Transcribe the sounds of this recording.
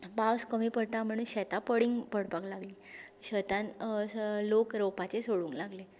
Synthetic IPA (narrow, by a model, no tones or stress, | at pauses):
bawskəmiːpəɽt̪am̤əɽ̃uːnɕɛt̪apəɽiŋɡpəɽpaklaɡliːɕət̪ãn | lokɾowpat͡sesoɽuːŋklaɡle